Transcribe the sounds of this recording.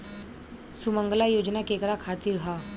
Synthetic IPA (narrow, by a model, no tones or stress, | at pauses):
sumə̃ŋɡlajoːd͡ʒnakekɾakʰaːt̪iɾɦaː